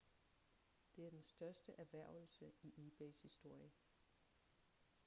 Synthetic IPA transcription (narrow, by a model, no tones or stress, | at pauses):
d̥e̝æɐd̥ensd̥ɶɐsd̥əʔæɐʋæɐ̰ʊl̩səiʔiːb̥eɪshisd̥o̝ɐ̰jə